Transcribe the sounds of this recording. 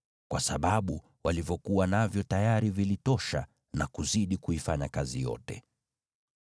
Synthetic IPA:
kwasaɓaɓu | walivjɔkuwanavjɔtajaɾivilitɔʃa̰ | nakuziɗikuifaɲakazijɔ̰tɛ

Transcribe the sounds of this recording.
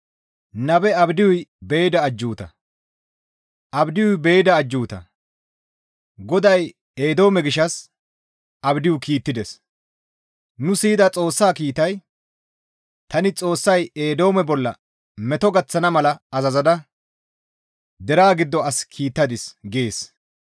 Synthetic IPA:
nɐbɛɐbd̪ɪjʊjbeːjɪd̪ɐːd͡ʒːuːt̪ɐ̰ | ʔɐbd̪ɪjʊjbejɪd̪ɐːd͡ʒːuːt̪ɐ̰ | ɡɔd̪ɐj | eːd̪o̞ːmɛɡɪʃːɐs | ɐbd̪ɪjʊkiːt̪ːɪd̪ɛs | nʊsiːɪd̪ɐt͡sʼo̞ːsːaːkiːt̪ɐj | t̪ɐnɪt͡sʼo̞ːsːɐjeːd̪o̞ːmɛbɔlːɐ̰ | mɛt̪ɔɡɐt͡sːɐnɐmɐlɐɐzɐzɐd̪ɐ | d̪ɛɾaːɡɪd̪ːɔɐskʰiːt̪ːɐd̪ɪsɡeːs

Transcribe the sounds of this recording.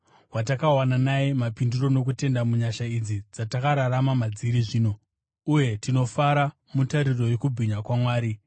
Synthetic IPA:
wat̬akawananajemapinduro̞no̞k̬ute̞ndamuɲaʃaid͡zid͡zatakaɾaɾamamad͡ziɾiʐiːno̞ | uje̞tino̞faɾa | mutaɾiro̞jekubʱiɲakwamwaːɾi

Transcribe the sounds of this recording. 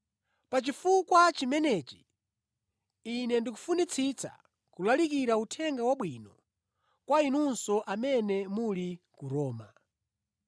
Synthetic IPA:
pat͡ʃifukwat͡ʃimɛnɛt͡ʃi̥ | inɛndik̬ufunit͡sʰit͡sa̰ | kulalikiɾautʰɛŋɡawaɓwinɔ | kwainunsɔʔamɛnɛmulikuɾɔːma

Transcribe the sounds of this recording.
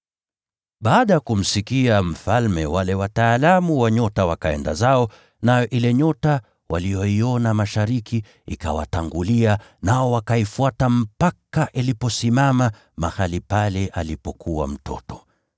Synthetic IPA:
ɓaːɗajakum̩sikiam̩falmɛwalɛwataːlamuwaɲɔtawakaɛ̰nda̰zaɔ | najɔʔilɛɲɔta | wʔalijɔiɔnamaʃaɾikʰi | ika̰wa̰taŋɡulianaɔwakaifuatam̩pakaʔilipɔsimama | mahalipalɛʔalipɔkʰuwa̰m̩tʰɔ̰tɔ̥

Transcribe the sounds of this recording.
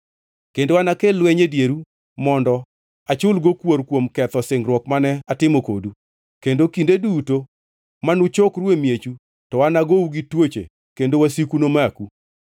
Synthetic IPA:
kendowanakelwɛɲedjeɾu | mɔndɔ | at͡ʃʊlɡokwoɾkwomkɛt̪ɔsɪŋɡɾwɔkmanɛatɪmoko̰du | kendokindeduto | manʊt͡ʃokɾwemjet͡ʃu | tɔwanaɡouɡitwot͡ʃḛ | kendowasikunomaku

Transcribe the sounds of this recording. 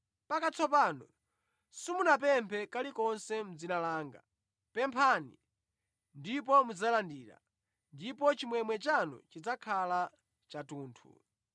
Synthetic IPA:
pakat͡sɔpanɔ | simunap̬ɛmpʰɛkalikɔnsɛm̩d͡zinalaːŋɡa̰ | pɛmpʰanḭ | ndip̬ɔmud͡zalandiːɾa̰ | ndip̬ɔt͡ʃimwɛmwɛt͡ʃanɔ̰t͡ʃid͡zakʰala | t͡ʃatuːntʰṵ

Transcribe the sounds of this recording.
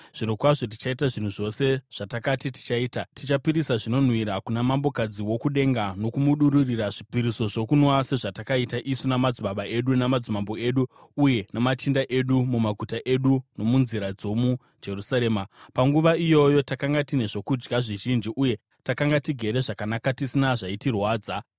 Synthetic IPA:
ʐ̥iɾokwaʐo̞t̬i̥t͡ʃaitaʐin̤uʐo̞se̞ʐ̥atakatiti̥t͡ʃaiːtatit͡ʃapiɾisaʐino̞n̤wiɾakunamambo̞kad͡ziwo̞kuɗe̞ŋɡano̞kumuɗuɾuriraʐipiɾiso̞ʐo̞kunwase̞ʐatakaitaʔisunamad͡ziɓaɓaʔe̞ɗunamad͡zimambo̞e̞ɗuːje̞namat͡ʃindaʔe̞ɗumumaɡʱutaʔe̞ɗuno̞munziɾad͡zo̞mu | d͡ʒe̞rusaɾe̞ːmapaŋɡuʋaijo̞jo̞takaŋɡatine̞ʐo̞kud͡ʒɡaʐiʒind͡ʒiʔuje̞ | takaŋɡatiɡʱe̞ɾe̞ʐakanakatisinaʐaitirwaːd͡za

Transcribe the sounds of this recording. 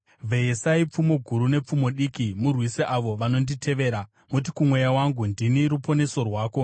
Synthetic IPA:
vʱeesaip͡fumo̞ɡʱuɾune̞p͡fumo̞ɗikimurwiseʔaʋo̞ʋano̞nditʰe̞ʋe̞ːɾa | mut̬ikumwe̞jawaŋɡundiniɾupo̞ne̞so̞rwaːko̞

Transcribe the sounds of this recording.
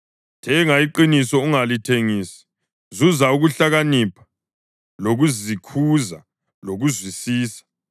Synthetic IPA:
tʰɛŋaiǃinisɔuŋalitʰeŋiːsi̥ | zuzauɣuɬaɣanipʰḁ | loɣuzikʰuza̰ | loɣuzwisiːsḁ

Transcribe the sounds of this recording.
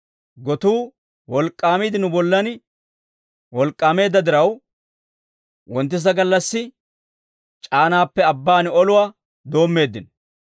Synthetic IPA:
ɡɔt̪uː | wɔlkʼːaːmid̪ɪnʊbɔlːɐn | wɔlkʼːaːme̞ːd̪ːɐd̪ɪɾɐw | wɔnt̪ːɪs̬ɐɡɐlːɐsːɪ | t͡ʃʼaːnaːpːɛɐbːaːnɔlʊwaː | d̪o̞ːmːe̞ːd̪ːɪn

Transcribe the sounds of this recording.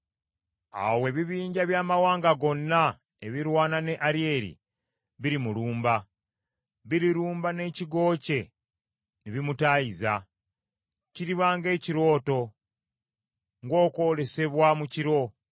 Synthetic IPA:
a̰we̞ːβiβiːɲɟaβjaːmawaːŋɡaɡo̞nːa | e̞βiɾwaːnane̞ʔaɾie̞ɾḭ | βiɾimuluːmba | βiɾiɾuːmbane̞ciɡo̞ːce̞ | neβimutaiza | ciɾiβaːŋɡe̞ːciɾo̞ːto̞ | ŋɡo̞ːko̞le̞se̞βwamuciɾo̞

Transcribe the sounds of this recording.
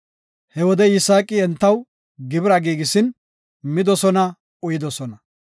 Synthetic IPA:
hɛwɔd̪ɛɪsaːkʼːɪɛnt̪ːɐw | ɡɪbɪɾɐɡiːɡɪsɪn | mɪd̪ɔsɔnɐ | ʊjɪd̪ɔsɔnɐ

